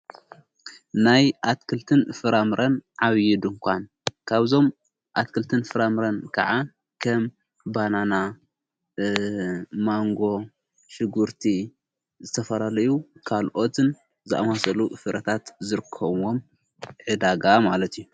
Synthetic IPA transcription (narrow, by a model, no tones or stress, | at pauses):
najʔat̪kʰɨlt̪ʰɨnfɨɾamɨɾʔɐnʕaβjɪd̪ɨŋkʷʰan | kʰaβzo̞m | ʔat̪̚kʰɨlt̪ʰɨnfɨɾamɾɐnkʰɐ̰ʕa | kʰɐm | banana | maŋɡo̞ | ʃɨɡuɾt̪ʰi | zɨt̪ʰɐfɐlalɐjukʰalʔo̞t̪ʰɨn | zɨʔa̰masɐlufɨɾɐt̪ʰat̪zɨɾɨkʰːɐβwo̞m | ʕɨd̪aɡamalɐt̪ʰijːu